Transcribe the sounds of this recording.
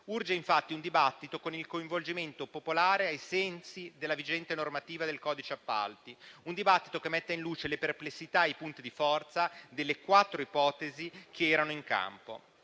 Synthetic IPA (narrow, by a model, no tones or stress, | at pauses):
urd͡ʒeiɱfat̪ːiund̪ibat̪ːit̪okonilkoiɱvold͡ʒiment̪opopolaːɾeajsɛnsid̪elːavid͡ʒɛnt̪enormat̪iːvad̪elkɔːd̪it͡ʃeapːa̰lt̪iund̪ibat̪ːi̥t̪okemːɛt̪ːainluːt͡ʃeleperplesːit̪aejpunt̪id̪ifɔrt̪sad̪elːekwat̪ːɾoipɔːt̪ezikʰeɛːɾanoiŋka̰mpo̰